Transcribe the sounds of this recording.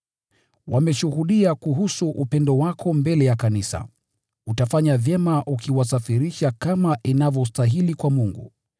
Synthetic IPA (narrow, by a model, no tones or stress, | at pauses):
wamɛʃuhuɗiakuɦusuʔupɛndɔwakʰɔmbɛlɛjakanisa̰ | utafaɲavjɛmaʔukiwasafiɾiʃakamaʔinavɔs̬taɦilikwamuŋɡṵ